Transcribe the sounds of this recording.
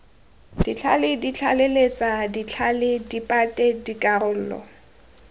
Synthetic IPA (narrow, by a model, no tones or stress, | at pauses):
d̥it͡ɬʰa̰lɪdit͡ɬʰalelet͡sʼadit͡ɬʰalɪdipʼatʼɛdikʼarʊl̩ːlɔ̰